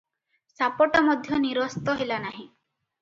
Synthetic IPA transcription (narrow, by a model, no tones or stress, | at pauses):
sapɔʈɔmɔd̪ʱjɔniɾɔst̪ɔɦelanaɦĩ